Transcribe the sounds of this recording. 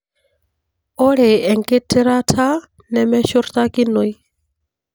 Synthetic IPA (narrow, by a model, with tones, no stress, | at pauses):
o˦ɺɛ˨ɛ˨ŋkʼe˦tʰi˦ɾa˦tʰa˦ | nɛ˦mɛ˦ʃu˦rt̪a˦ki˦no˨i˦